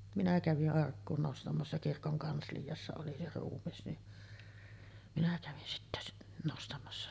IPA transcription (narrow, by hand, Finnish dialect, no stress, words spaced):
minæ kæʋiʔ ʔɑrkːuːn nostɑmɑsːɑ kirkoŋ kɑnslijɑsːɑ oli se ruːmːis ni minæ kæʋin sitːæ nostɑmɑsːɑ